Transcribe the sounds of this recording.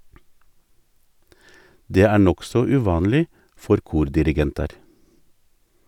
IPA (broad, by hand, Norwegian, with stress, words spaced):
ˈdeː ˈæː ˈɳɔksɔ ʉːˈʋɑːnliː ˈfɔɾ ˈkuːɾdɪɾɪˌɡɛntɑɾ